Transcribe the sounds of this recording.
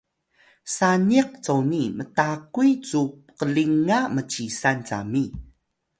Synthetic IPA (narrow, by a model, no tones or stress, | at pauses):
saniq̚t͡sownimətakuit͡su | qəliŋamət͡ɕisant͡sa̰mi